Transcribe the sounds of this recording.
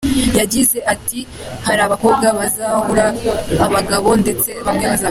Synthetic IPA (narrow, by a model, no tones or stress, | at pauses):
jaɟize̞ʔatihaɾaːβako̞ːβɡaβazaːhuɾaːβaɡaβo̞nde̞t͡se̞βamɲaːza